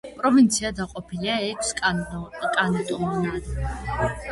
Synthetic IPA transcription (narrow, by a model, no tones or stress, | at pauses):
pʼɾɔvint̪sʰiad̪aqʼɔpʰiliaɛkʰsʼkʼanit̪ʼɔmnad̪